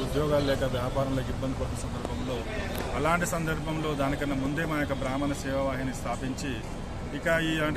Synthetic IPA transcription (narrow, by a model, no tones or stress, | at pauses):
ud̪jɔːɡaːlulɛːkɐʋjaːpaːɾɐnɐloːkibːɐnd̪ipɐʈːinɐsɐnd̪ɐɾbʱɐmlo̞ː | ɐlaːɳʈisɐnd̪ɐɾbʱɐmlo̞ːd̪aːnikɐnːɐmund̪e̞ːmaːjɐkːɐbɾaːmɐnɐsɛːʋɐʋaːɦinist̪ʰaːpiɲt͡ʃi | ikɐiːaːɳ